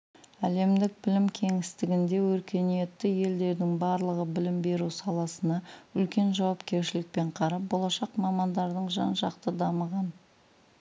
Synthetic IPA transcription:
æle̞md̪ɪk̚bɪlɪmkʲʰe̞ŋɪst̪ɪɡʲɪnd̪e̞wɵɾkʲe̞nije̞t̪ːɪje̞ld̪e̞ɾd̪ɪŋbɑɾlˠəʁəbɪlɪmbe̞ɾusɑlˠɑsənɑʏlkʲe̞nʒɑwɑpkʲe̞ɾʃɪlɪk̚pe̞ɴqʰɑɾɑp̚bo̞lˠɑʃɑqmɑmɑnd̪ɑɾd̪əɴʒɑ̰nʒɑqt̪əd̪ɑməʁɑn

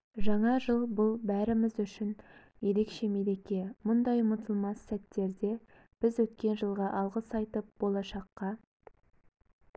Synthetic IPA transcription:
ʒɑɴɑʒəlˠbʊlˠbæɾɪmɪzʏʃɪn | je̞ɾe̞kʃe̞me̞le̞kʲe̞mʊnd̪ɑjmʊt̪əlˠmɑnsæt̪ːe̞ɾd̪e̞ | b̥ɪzwɵt̪kʲe̞nʒəlˠʁɑʔɑlˠʁəsɑjt̪əp̚b̥o̞lˠɑʃɑqːɑ

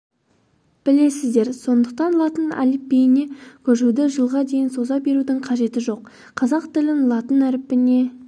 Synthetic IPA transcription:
b̥ɪle̞sɪzd̪e̞ɾso̞nd̪əq̚t̪ɑnlˠɑt̪ənɑ̰lɪpbejɪne̞kʲʰɵʃud̪ɪʒəlˠʁɑd̪e̞jɪnso̞zɑbe̞ɾud̪ɪɴqʰɑʒe̞t̪ɪʒo̞q | qʰːɑzɑqt̪ɪlɪnlˠɑt̪ənæɾɪpːɪne̞

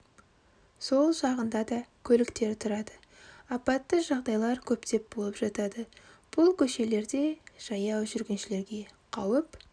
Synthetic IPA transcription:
so̞lˠʒɑʁənd̪ɑd̪ɑkʲʰɵlɪkt̪e̞ɾt̪ʰʊɾɑd̪ə | ɑpɑt̪ːəʒɑʁd̪ɑjlˠɑɾkʲʰɵpt̪e̞p̚b̥olˠəpʒɑt̪ɑd̪ə | b̥ʊlˠkʲʰɵʃe̞le̞ɾd̪e̞ʒ̥ɑjɑwʒʏɾɡʲe̞nʃɪle̞ɾɡʲe̞qʰɑwəp

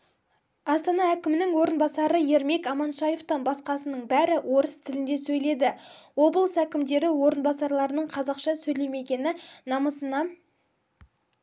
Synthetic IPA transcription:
ɑst̪ɑnɑækʲɪmɪnɪŋwo̞ɾənbɑsɑɾəje̞ɾme̞kɑmɑnʃɑjeft̪ɑnbɑsqɑsənəɴbæɾɪwʔo̞ɾəst̪ʰɪlɪnd̪e̞sɵjle̞d̪ɪo̞blˠsækʲɪmd̪e̞ɾɪwo̞ɾən̪bɑsɑɾlˠɑɾənəɴqʰɑzɑqʃɑsɵjle̞me̞ɡʲe̞nɪnɑməsənɑ

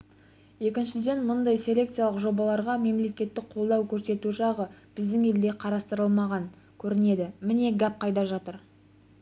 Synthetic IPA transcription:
je̞kʲɪnʃɪd̪e̞nmʊnd̪ɑjsʲe̞lʲe̞kt̪sɨjalˠəqʒo̞bɑlˠɑɾʁɑme̞mle̞kʲe̞t̪ːɪk̚qʰo̞lˠd̪ɑwkʲʰɵɾse̞t̪uʃɑʁəb̥ɪzd̪ɪŋe̞ld̪e̞qʰɑɾɑst̪əɾəlˠmɑʁɑŋ | kʲʰɵɾɪne̞d̪ɪmɪne̞ɡap̚qʰɑjd̪ɑʒɑt̪əɾ

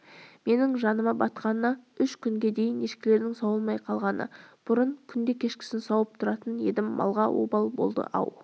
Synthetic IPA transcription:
me̞nɪŋʒɑnəmɑbɑt̪qɑnənɑʏʃkʲʰʏŋɡʲe̞d̪e̞jɪneʃkʲɪle̞ɾd̪ɪŋsɑwəlˠmɑjqʰɑlˠʁɑnə̰b̥ʊɾəɴkʲʰʏnd̪e̞kʲʰe̞ʃkʲɪ̥sɪnsɑwəp̚t̪ʰʊɾɑt̪ənje̞d̪ɪmːʔɑ̰lˠʁɑwʔo̰bɑlˠbo̞̰lˠd̪ə̰ʔɑ̰w

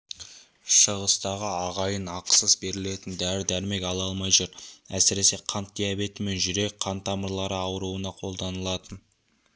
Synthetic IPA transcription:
ʃəʁəst̪ɑʁəɑʁɑjənɑqsəsbe̞ɾɪle̞t̪ɪnd̪æɾɪd̪æɾme̞kʲɑlˠɑlˠmɑjʒuɾæ̰sɪɾe̞se̞qʰɑnt̪ːijɑbe̞t̪ɪme̞nʒʏɾe̞k̚ʲqʰɑnt̪ɑməɾlˠɑɾəɑwəɾuənɑqʰo̞lˠd̪ɑnəlˠɑt̪ən

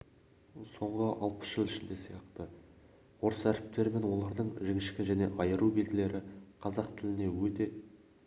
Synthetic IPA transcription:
so̞ɴʁəʔɑlˠpə̥sʒ̥əlˠɪʃɪnd̪e̞sijɑqt̪ə | wo̞ɾəsæɾɪp̚t̪e̞ɾme̞nwo̞lˠɑɾd̪əɴʒɪŋʲɪʃkʲɪʒæne̞̰ʔɑjəɾube̞lɡʲɪle̞ɾɪqʰɑzɑqt̪ʰɪlɪne̞wɵt̪e̞

